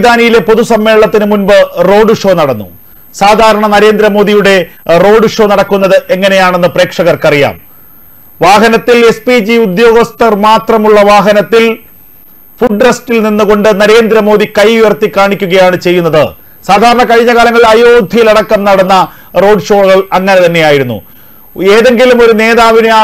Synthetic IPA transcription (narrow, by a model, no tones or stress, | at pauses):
d̪aːnijile̞po̞ðusɐmːe̞ːɭɭɐt̪ːinɨmunbɨro̞ːɖɨʂo̞ːnɐɽɐnːṵ | saːd̪ʱaːɾɐɳɐnɐɾe̞ːnd̪ɾɐmo̞ːd̪ijuɽe̞ro̞ːɖɨʂo̞ːnɐɽɐkːunːɐðɨʔe̞ŋːɐne̞jaːɳe̞nːɨpre̞ːkʂɐɣɐrkɐrija̰ːm | ʋaːɦɐnɐt̪ːilespid͡ʑiud̪jo̞ːɡɐst̪ɐrmaːt̪rɐmuɭːɐʋaːɦɐnɐt̪ːil | fuɖrɐstilninːuɣo̞ɳɖɨnɐɾe̞ːnd̪ɾɐmo̞ːd̪ikɐjʋiʋɐrt̪ːikːaːɳikʲːuɣɐjaːɳɨt͡ɕe̞jːunːɐðɨ | saːd̪ʱaːɾɐɳɐkɐɻiɲːɐɣaːlɐŋːɐɭɐjoːd̪ʱijilɐɽɐkːɐmnɐɽɐnːɐ | ro̞ːɖʂo̞ːɣɐɭɐŋːɐnet̪ɐnːe̞jaːjiɾunːṵ | eːðe̞ŋɡilumo̞ɾune̞ːðaːʋinea